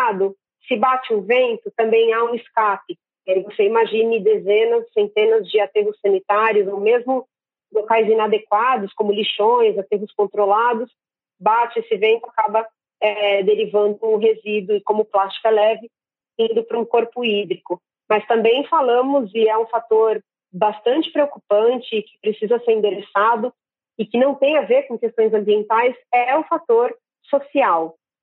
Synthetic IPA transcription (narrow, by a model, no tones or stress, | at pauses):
ad̪ʊ | sɪbat͡ʃɪʊvẽnt̪ʊt̪ɐ̃mbẽj̃aũɪskapɪ | ɛivoseimaʒĩnɪd̪ezẽnɐzsẽnt̪ẽnɐzd͡ʒɪat̪eɦʊsːɐ̃nit̪aɾijʊzowmezmʊ | lokajzĩnad̪ekwad̪ʊskõmʊliʃõj̃zat̪eɦʊskõnt̪ɾolad̪ʊs | bat͡ʃɪesɪvẽnt̪ʊakabɐ | ɛd̪eɾivɐ̃nd̪ʊːɦezid̪ʊɪkõmʊplast͡ʃi̥kɐlɛvɪ | ĩnd̪ʊpɾʊũkoɾpʊid̪ɾikʊ | mɐst̪ɐ̃mbẽj̃falɐ̃mʊzɪɛũfat̪oɾ | bast̪ɐ̃nt͡ʃɪ̥pɾeokupɐ̃nt͡ʃɪːkɪ̥pɾesizɐseɾĩnd̪eɾesad̪ʊ | ɪkɪnɐ̃w̃t̪ẽj̃aveɾkõkest̪õj̃zɐ̃mbiẽnt̪ajsɛʊfat̪oɾ | sosiaw